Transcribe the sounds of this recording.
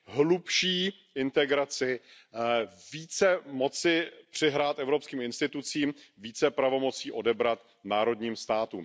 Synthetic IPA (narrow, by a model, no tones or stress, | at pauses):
ɦlupʃiː | ɪnt̪ɛɡɾat͡sɪ | viːt͡sɛmo̞t͡sɪpr̝̥ɪɦɾaːt̪ʔɛvɾo̞pskiːmɪnst̪ɪt̪ut͡siːmviːt͡sɛpɾavo̞mo̞t͡siːʔo̞dɛbɾat̪ | naːɾo̞dɲiːmst̪aːt̪ṵːm